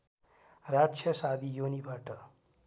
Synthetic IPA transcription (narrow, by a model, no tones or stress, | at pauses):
rat͡sʰjʌsad̪ʱijonibʱaʈʌ